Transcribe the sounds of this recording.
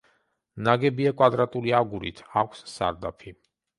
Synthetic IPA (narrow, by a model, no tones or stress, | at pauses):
naɡɛbiakʼwad̪ɾat̪ʼuliaɡuɾḭt̪ʰakʷʰsːa̰ɾd̪apʰi